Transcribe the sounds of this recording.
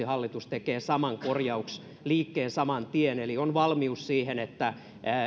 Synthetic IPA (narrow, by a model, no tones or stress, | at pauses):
ihɑlːit̪ust̪ekeːsɑmɑŋkorjɑuks | liːkːeːsɑmɑnt̪ienelionʋɑlmiussiːhenet̪ːæ